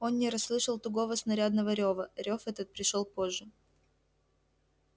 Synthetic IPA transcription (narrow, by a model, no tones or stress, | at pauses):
o̞nːʲɪɾɐslˠɨʂəlˠt̪ʊɡo̞vəsnɐɾʲad̪nəvəɾʲo̞vəɾʲo̞fɛt̪ət̪̚pɾʲɪʂolˠpo̞ʐːɨ